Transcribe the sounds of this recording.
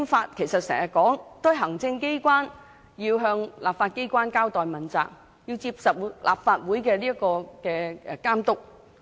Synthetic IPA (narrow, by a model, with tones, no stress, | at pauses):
mfaː˧t̚kʰe˨˩jsɐ˨t̚sɛ̰ː˨˩ŋjɐ˨kɔː˨˥ŋt̪ʊ˥ɦɐ˨˩ŋt͡sɪ˧ŋke˥jkʷwaː˥n | jiː˧wɦœː˧ŋla̰ː˨˩p̚faː˧t̚ke˥jkʷwaː˥nkaː˥wt̪ɔː˨jmɐ˨˩nt͡sa̰ː˨˩k̚ | jiː˧wt͡siː˧p̚sɐ˨wlʔa̰ː˨˩p̚faː˧t̚wuː˨˥jkɛː˧liː˥kːɔː˧kɛː˧kaː˥mt̪ʊ˥k̚